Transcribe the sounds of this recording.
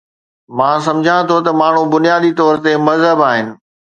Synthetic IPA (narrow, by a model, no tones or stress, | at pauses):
mãːs̬ɐ̃md͡ʑʱãt̪ʰot̪ɐmaːɳ̤ũbʊnijaːd̪it̪ɔːɾt̪emɐzɦəbaːɦɪnɪ̆